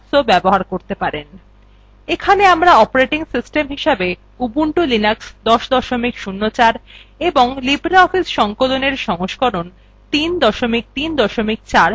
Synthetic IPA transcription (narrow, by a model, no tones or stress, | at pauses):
sobɛboɦaɾkoɾt̪epaɾen | ekʰaneamɾaɔpoɾeʈiŋsisʈemɦiʃabe | ubuɳʈulinaksd̪ɔʃd̪ɔʃomikʃunːot͡ɕaɾeboŋlibɾaɔfisʃɔŋkoloneɾʃɔŋoʃkɔɾon | t̪ind̪ɔʃomik̚t̪ind̪ɔʃomik̚t͡ɕaɾ